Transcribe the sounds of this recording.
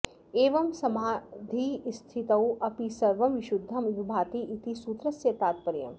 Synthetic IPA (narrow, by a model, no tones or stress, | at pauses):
eːʋɐmsɐmaːd̪ʱist̪ʰit̪ɐwʔɐpisɐɾʋɐmʋɪʃud̪ʱːɐmʋibʱaːt̪iʔːt̪isuːt̪ɾɐsjet̪aːt̪̚pɐɾjɐ̰m